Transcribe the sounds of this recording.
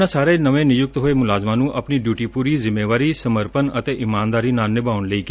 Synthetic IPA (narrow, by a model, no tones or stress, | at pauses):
ãːsaːɾenəʋẽnɪjʊk̚t̪ɦoːemʊlaːzmãnũʔɐpniɖjuːʈipuːɾizɪmːeːʋaːɾisəməɾpənət̪eʔɪmãːnd̪aːɾinaːlnːɪbaːʊnleiːk